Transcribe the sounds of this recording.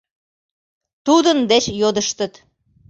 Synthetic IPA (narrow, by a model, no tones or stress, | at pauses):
t̪ud̪ənd̪et͡ɕjod̪əʃt̪ət̪